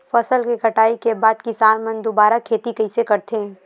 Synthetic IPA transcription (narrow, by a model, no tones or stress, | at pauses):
fɐsəlkikɐʈaːikebaːd̪̚kɪsaːnmɐ̃nd̪obaːɾakʰeːt̪ikɐɪsekɐɾt̪eɦɛ̃ː